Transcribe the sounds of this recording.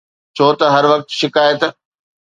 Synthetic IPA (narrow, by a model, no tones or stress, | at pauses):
t͡ɕʰoːt̪ɐɦɐɾʋɐk̚t̪ʃɪkaːjət̪